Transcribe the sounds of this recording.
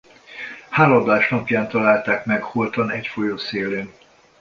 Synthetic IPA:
haːlɒblaːʃnɒpjaːnt̪ɒlaːlt̪aːkmɛkholt̪ɒnɛcfo̞joːseːleːn

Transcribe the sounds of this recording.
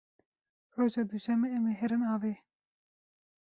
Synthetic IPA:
ɾoːʒɑːd̪uʃɛmeɛmeːɦɛɾɨnɑːveː

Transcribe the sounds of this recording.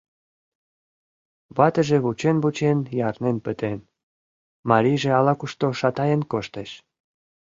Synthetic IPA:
βɑt̪əʒeβut͡ɕenβut͡ɕenjɑrnenpət̪en | mɑɾiʒeɑlɑkuʃt̪oʃɑt̪ɑjenkoʃt̪eʃ

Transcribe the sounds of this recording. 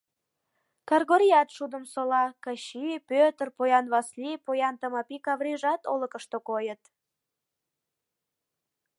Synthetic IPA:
kɑrɣoɾʲijɑt̪ʃud̪əmsolɑkɑɕipøt̪ərpojɑnβɑslipojɑnt̪əmɑpikɑβɾiʒɑt̪olə̆kəʃt̪okojət̪

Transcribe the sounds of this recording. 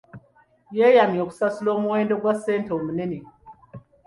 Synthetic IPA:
jejamjoksaslomuwendəɡwasentoməneni

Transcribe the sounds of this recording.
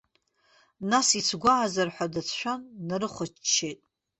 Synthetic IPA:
nasit͡sʰɡʷaʕːzarħʷadat͡sʰʃʷᶣanːaɾɨχʷɔt͡ʃt͡ʃʰːejtʼ

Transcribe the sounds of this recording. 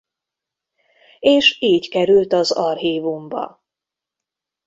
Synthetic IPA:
eːʃiːckɛɾylt̪ɒzɒrhiːvumbɒ̰

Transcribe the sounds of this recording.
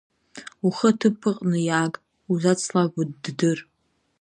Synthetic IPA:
uχətʰɨpʰɨqʼnɨjaːkʼ | uzat͡sʰlaɡʷʊdːdɨr

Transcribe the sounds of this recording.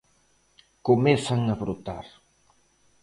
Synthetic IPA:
komɛθaŋɐβɾot̪aɾ

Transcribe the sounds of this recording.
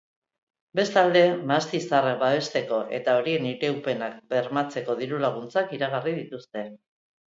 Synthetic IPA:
be̞st̪ald̪e̞mast̪isarbaβe̞st̪e̞ko̞ʔe̞̰t̪ao̞ɾie̞niɾe̞upe̞nak̚be̞ɾmat͡se̞ko̞ð̞iɾulaɣ̞unt͡sakiɾaɣ̞arið̞it̪ust̪e̞

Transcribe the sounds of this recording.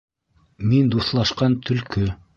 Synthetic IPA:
mind̪uθlˠɑʃqɑnt̪ʰɵ̆lkɵ

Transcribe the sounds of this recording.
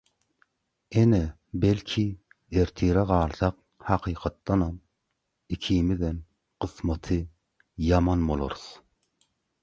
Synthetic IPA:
enɛ | belkʲʰi | eɾt̪ʰiɾɛʁɑːlˠsɑq̚ | hɑqʰiːqʰɑt̪ːɑnɑm | ikʲʰiːmiðɛn | qʰɨsmɑt̪ʰɨ | jɑmɑnbolˠo̰ɾus

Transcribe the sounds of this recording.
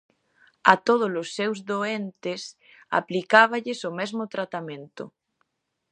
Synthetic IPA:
at̪oð̞ʊlosːewzðoent̪ɪs | a̰plikaβ̞aʎɪsomɛzmʊt̪ɾat̪amẽnt̪ʊ

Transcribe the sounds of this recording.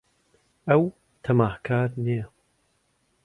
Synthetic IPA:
ɐw | t̪ʰɐmaːhkʰaːɾnijɐ

